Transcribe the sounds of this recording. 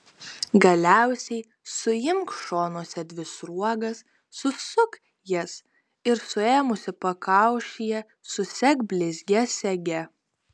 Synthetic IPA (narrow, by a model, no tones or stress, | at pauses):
ɡɐlʲæˑʊsʲɛɪ | sʊjɪmkʃoːnoːsʲɛd̪ʲʋʲɪsɾuɔɡɐsː | ʊsʊk | jɛs | ɪɾsʊeːmʊsʲɪpɐkɑˑʊʃʲɪjɛ | sʊsʲɛkbʲlʲɪzʲɡʲɛsʲɛɡʲɛ